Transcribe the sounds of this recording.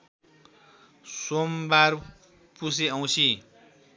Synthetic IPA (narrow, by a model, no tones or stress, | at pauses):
sombar | pus̬eʌw̃sʰi